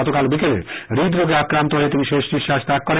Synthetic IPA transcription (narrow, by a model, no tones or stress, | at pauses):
ɔt̪okalbikelḛɾid̪ɾoɡeakɾant̪oɦoet̪iniʃeʃʃiʃːaʃt̪ak̚kːɔɾe